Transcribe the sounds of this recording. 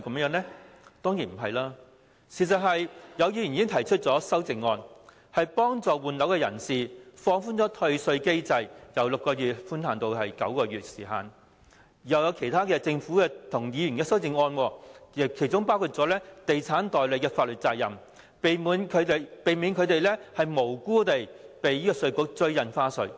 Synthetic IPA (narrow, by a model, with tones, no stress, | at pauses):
kɐ˦m˥jœː˨˧˥nɛ˥ | t̪ɔː˥ŋjiː˨˩nm̩˨˩ɦɐ˨jlaː˥ | siː˨˩s̬ɐ˨t̚ɦɐ˨jjɐ˨˧wjiː˧jy˨˩niː˨˦˥ɪ˥ŋt̪ʰɐ˨˩jt͡ʃʰɵ˥t̚t͡sɔː˨˥sɐ˥wt͡sɪ˧ŋːɔː˧n | hɐ˨jpɔː˥ŋt͡sɔː˨wuː˨nlɐ˨˥wkɛː˧jɐ̰˨˩nsiː˨fɔː˧ŋfuː˥nt͡sɔː˨˥t̪ʰɵ˧ɥsɵ˧ɥke˥jt͡sɐ˧jjɐ˨˩wlʊ˨kːɔː˧ɥyː˨˩t̚fuː˥nt̪ʰaː˨˩ŋt̪o˧whɐ˨jkɐ̰˨˥wkɔː˧ɥyː˨˩t̚siː˨˩ɦaː˨n | jɐ˨˧wjɐ˨˧wkʰe˨˩jt̪ʰaː˥kɛː˧t͡sɪ˧ŋfuː˨˥kɛː˧t̪ʰʊ˨˩ŋjiː˨˧jy˨˩nkɛː˧sɐ˥wt͡sɪ˧ŋɔː˧nwɔː˧i˨˩kʰe˨˩jt͡sʊ˨˥ŋpaː˥wkʰuː˧t̚t͡sɔː˨˥lɛː˥t̪e˨jt͡sʰaː˨˥nt̪ɔː˨jle˨˧jkɛː˧faː˧t̚lyː˨˩t̚t͡saː˧jɐ˨˩m | pe˨muː˨˧nk̪ʰe˨pe˨jmiː˨˧nkʰɵ˧ɥt̪e˨jlɛː˥hɐ˨jmo˨˩wkuː˥t̪e˨jpe˨jjiː˥kɔː˧sɵ˧ɥkʊ˧˥k̚t͡sɵ˥ɥjɐ˧nfaː˥sɵ˧ɥ